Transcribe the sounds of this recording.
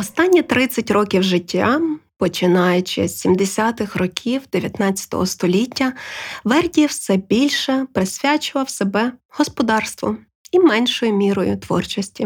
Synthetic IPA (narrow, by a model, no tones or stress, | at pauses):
ɔst̪ɑnʲːit̪ɾɪt͡sʲːɐtʲrɔkʲiwʒɪtʲʰːɑpɔt͡ʃɪnɑjʊt͡ʃɪ̰sʲimd̪esʲat̪ɪxrɔkʲʰiwd̪eʋʲjɐt̪nɑt͡sʲɐ̥t̪ɔ̰ɦɔst̪ɔlʲitʲːɐʋɛrdʲiw̪sɛbʲilʲʃɛpɾɪsʲʋʲat͡ʃʊʋɐwsebɛhɔspɔd̪ɑrst̪ʋɔ̰ | imɛnʲʃɔjʊmʲiɾɔjʊt̪ʋɔ̰rt͡ʃɔsʲtʲi